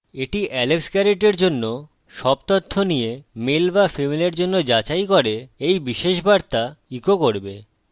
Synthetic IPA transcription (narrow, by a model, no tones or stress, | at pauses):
eʈiʔɛleksɡɛɾeʈeɾd͡ʑonːo | ʃɔb̚t̪ot̪ʰːonijemelbafemileɾd͡ʑonːod͡ʑat͡ɕajkoɾeejbiʃeʃbaɾt̪aikokoɾbḛ